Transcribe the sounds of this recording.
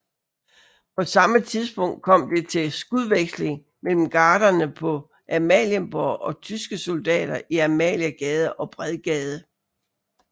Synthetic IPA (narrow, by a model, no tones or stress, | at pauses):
pʰɒ̽sɑ̈mət͡sʰiðˠsb̥ɔ̽ŋ̰d̥̚kʰɒ̽m̰d̥e̝t͡sʰe̝sɡ̥uðˠʋeɡ̥sle̝ŋ | mel̰m̩ɡ̥ɑ̈ːɾ̥ɐnəpʰɒ̽ | ʔæmɛ̰ljənb̥ɒʔɒ̽t͡sʰysɡ̥əso̝ld̥ɛ̰ːɾ̥ɐʔiæmɛ̰ːljæɡ̥ɛːð̞ˠəʔɒ̽b̥ʁɛðˠɡ̥ɛːð̞ˠə